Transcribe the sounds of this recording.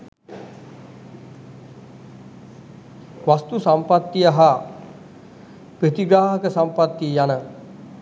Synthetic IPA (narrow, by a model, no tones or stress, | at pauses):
ʋast̪usampat̪ːiaɦa | pɾit̪iɡaːɦəkəsampat̪ːijanə